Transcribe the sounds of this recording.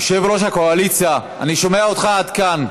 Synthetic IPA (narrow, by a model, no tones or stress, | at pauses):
ʃevɾoʃakoalit͡sja | a̰niʃo̞meaot̪χaad̪kan